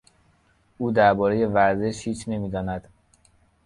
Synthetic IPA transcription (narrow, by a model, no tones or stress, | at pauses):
uːd̪æɾbɒːɾe̞je̞væɾze̞ʃhiːt͡ʃʰne̞miːd̪ɒːnæd̪̥